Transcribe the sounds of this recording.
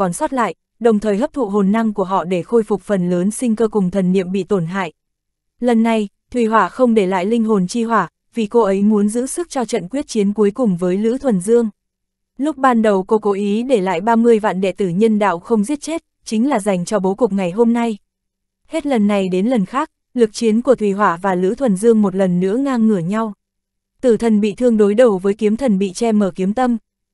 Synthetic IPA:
kɔ˨˦nsɔ˦˥t̚la̰ː˧˨jʔ | ɗə˨˩wŋ͡mt̪ʰəː˨˩jhəː˦˥p̚t̪ʰṵ˧˨ɦo˨˩nːa˧ŋku˧˩əɦɔ̰˧˨ɗe˧˩xo˧jfʊ˨˩k͡p̚fə˨˩nləː˨˦nsï˧ŋ̟kəː˧kʊ˨˩ŋ͡mt̪ʰə˨˩nːḭ˧˨əmɓḭ˧˨t̪o˧˩nɦa̰ː˧˨jʔ | lə˨˩nːa˧j | t̪ʰwi˨˩ɦwaː˧˩xə˧wŋ͡mɗe˧˩la̰ː˧˨jlï˧ŋɦo˨˩nt͡ɕi˧ɦwaː˧˩ | vi˨˩ko˧ʔə˨˦jmu˨˦ənzɨ̰˧˥sɨ˦˥k̚t͡ɕɔ˧t͡ɕə̰˧˨nkwi˦˥ət̚t͡ɕi˨˦ənku˨˦jkʊ˨˩ŋ͡mvəː˨˦jlɨ̰˧˥t̪ʰwə˨˩nzɨ˧əŋ | lʊ˦˥k͡p̚ɓaː˧nɗə˨˩wko˧ko˨˦ʔi˨˦ɗe˧˩la̰ː˧˨jɓaː˧mɨ˧əjva̰ː˧˨nɗɛ̰˧˨t̪ɨ˧˩ɲə˧nɗa̰ː˧˨wxə˧wŋ͡mzi˦˥ət̚t͡ɕe˦˥t̚ | t͡ɕï˨˦ŋ̟laː˨˩za˨˩jŋ̟t͡ɕɔ˧ɓo˨˦kʊ˨˩k͡p̚ŋa˨˩jɦo˧mna˧j | he˦˥t̚lə˨˩nːa˨˩jɗe˨˦nlə˨˩nxaː˦˥k̚ | lɨ˨˩k̚t͡ɕi˨˦ənku˧˩ət̪ʰwi˨˩ɦwaː˧˩vaː˨˩lɨ̰˧˥t̪ʰwə˨˩nzɨ˧əŋmo˨˩t̚lə˨˩nːɨ̰˧˥əŋaː˧ŋːɨ˧˩əɲa˧w | t̪ɨ˧˩t̪ʰə˨˩nɓḭ˧˨t̪ʰɨ˧əŋɗo˨˦jɗə˨˩wvəː˨˦jki˨˦mt̪ʰə˨˩nɓḭ˧˨t͡ɕɛ˧məː˧˩ki˨˦əmt̪ə˧m

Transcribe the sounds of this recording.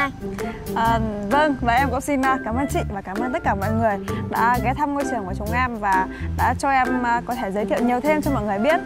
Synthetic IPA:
ʔəː˨˩və˧ŋvaː˨˩ʔɛ˧mkʊ̰˧˥ŋ͡msi˧nəː˧˩kaː˧˩mʔəː˧nt͡ɕḭ˧˨vaː˨˩kaː˧˩mʔəː˧nt̪ə˦˥t̚kaː˧˩mɔ̰˧˨jŋɨ˨˩əjɗa̰ː˧˥ɣɛ˨˦t̪ʰa˧mŋo˧jt͡ɕɨ˨˩əŋku˧˩ət͡ɕʊ˨˦wŋ͡mʔɛ˧mvaː˨˩ɗa̰ː˧˥t͡ɕɔ˧ʔɛ˧mː˧kɔ˨˦t̪ʰe˧˩zə˨˦t̪ʰḭ˧˨wɲi˨˩əwt̪ʰe˧mt͡ɕɔ˧ŋ͡mmɔ̰˧˨jŋɨ˨˩əjɓi˦˥ət̚

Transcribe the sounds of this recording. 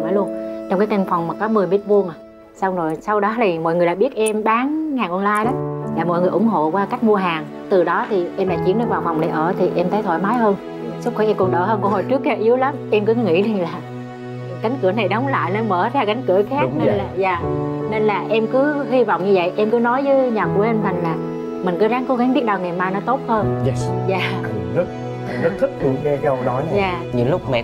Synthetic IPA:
maː˨˦lu˧ənt͡ɕwŋ͡mkaː˨˦jt̪a˧nfa˨˩wŋ͡mmaː˨˩kɔ˨˦mɨ˨˩əjmi˦˥t̚vu˧ənʔ | sa˧wŋ͡mzo˨˩jsa˧wɗɔ˨˦li˨˩mo̰˧˨jŋɨ˨˩əlaː˧˨˩ɓi˦˥ət̚ʔɛ˧mɓaː˨˦ŋhaː˨˩ŋʔɔ˧nlaː˧jɗɔ˨˦laː˨˩mo̰˧˨jŋɨ˨˩jʔʊ˧˩ŋ͡mɦo̰˧˨kwaː˧ka˦˥jk̟̚mu˧əɦaː˨˩ŋ | t̪ɨ˨˩ɗɔ˨˦t̪ʰi˨˩ʔɛ˧mɗaː˧˩t͡ɕi˨˦ənɗe˧nvaː˨˩wfa˨˩wŋ͡mna˨˩jʔəː˧˩t̪ʰi˨˩ʔɛ˧mt̪əː˨˦jt̪ʰo̰˧˨jmaː˨˦jhəː˧n | sk͡p̚xʰi˧˥ʔɛ˧mkʊ˨˩nɗə̰ː˧˩həː˧nku˧˩ho̰˨˩jt͡ɕɨ˦˥ək̚ːɛ˧˦˧ʔi˨˦əwlə˨˦mʔɛ˧mkɨ˨˦ŋḭ˧˥le˧laː˨˩ | ka˨˦jŋ̟kɨ˧˩əna˨˩jɗɔ˨˦wŋ͡mla̰ː˧˨jnɔ˧˦məː˧˩zaː˧ka˨˦jŋ̟kɨ˧˩əxaː˦˥k̚ne˧laː˨˩zaː˨˩ne˧nlaː˨˩ʔɛ˧mkɨ˨˦hi˧vɔ̰˧˨wŋ͡mɲɨ˧və̰˧˨jʔɛ˧mkɨ˨˦nɔ˨˦jzɨ˨˦ɲa˨˩k̚u˧˩ʔə˧mt̪ʰa˨˩jŋ̟laː˨˩ | mï˨˩ŋ̟kɨ˨˦zaː˨˦ŋko˨˦ɣa˨˦ŋɓi˦˥ət̚ɗaː˨˧˩ŋɛ˨˩maː˧jnɔ˨˦t̪o˦˥t̚həː˧n˧za̰ː˨˩zə˦˥t̚ | zə˦˥t̚t̪ʰi˦˥t̚k̪ɨ˧˩əŋɲɛ˧kɛ˨˧˦ho˨˩ɗɔ˨˦ɲ˧zaː˨˩ɲɨ̰˧˦lʊ˦˥k͡p̚mɛ̰˧˩

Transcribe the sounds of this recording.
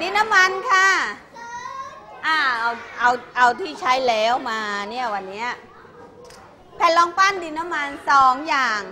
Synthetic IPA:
diː˧nːa˦˥mːa˧nkʰa˥˩ | ʔaː˧˩ʔa˧wʔa˧wʔa˧wt̪ʰiː˥˩t͡ɕʰa˦˥jlɛː˦˥wmaː˧ni˥˩ɐwa˧nːi˦˥ɐ | pʰɛː˧˩lɔː˧ŋpa˥˩ndi˧na˦˥mːa˧nsɔː˨˩˦ŋjaː˨˩ŋ

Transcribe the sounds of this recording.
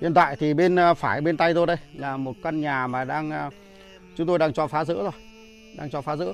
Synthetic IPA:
ḭ˧˨ənt̪wa̰ː˧˨jt̪ʰi˨˩ɓe˧n˧faː˧˩jɓe˧nt̪a˧jt̪o˧jɗə˧jlaː˨˩mo˨˩t̚ka˧nɲaː˨˩maː˨˩ɗaː˧ŋ˧ | t͡ɕʊ˨˦ŋ͡mt̪o˧jɗaː˧ŋt͡ɕɔ˧˩faː˨˦zɨ̰˧˥ətzo˧˩j | ɗaː˧ŋt͡ɕɔ˧faː˨˦zɨ̰˧˥

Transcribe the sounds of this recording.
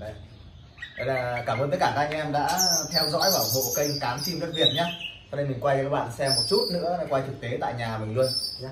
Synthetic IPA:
ɗə˨˩ | və˧˩jlaː˨˩kaː˧˩mʔəː˧nt̪ə˨˦jkaː˧˩kaː˦˧ʔɛ˧mɗa̰ː˧˥t̪ʰɛ˧wzɔ̰˧˥jvaː˧˩˨ɦo̰˧˨kə˧jkaː˨˦mt͡ɕi˧mzə˦˥t̚vi˨˩ət̚ɲaː˨˦sɔ˧ɗə˧jmï˨˩ŋ̟kwa˧jkaː˦˥ɓa̰ː˧˨nsɛ˧mːo˨˩t̚t͡ɕu˦˥t̚nɨ̰˧˥əa˧˦kwaː˧jt͡ɕɨ˨˩k̚t̪e˨˦t̪a̰ː˧˨jɲaː˨˩mɨ̈˨˩ŋlu˧ənɲa˨˦

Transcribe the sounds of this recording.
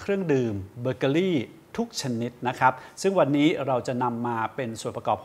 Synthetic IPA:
kʰɾɯ˥˩əŋdɯː˨mbəː˧ka˧ɾiː˥˩ | t̪ʰu˦˥k̚t͡ɕʰa˧ni˦˥t̪̚na˦˥kʰɾa˦˥p̚sɯ˥˩ŋwa˧nːiː˦˥ɾa˧wt͡ɕa˨˩na˧mːaː˧pe˧nsu˨˩ənpɾa˧kɔː˨˩p̚

